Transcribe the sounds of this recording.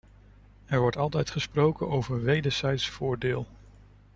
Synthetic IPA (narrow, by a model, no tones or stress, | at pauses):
ɛɹʋɔɹtɑlˠtɛjtχəsprowkənowvəɹʋejdəɹz̥ɛjtsfʊːɹdɪːlˠ